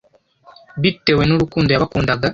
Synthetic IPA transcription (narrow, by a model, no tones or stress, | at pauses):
βitewenuɾukuːndojaβakuːndaɡa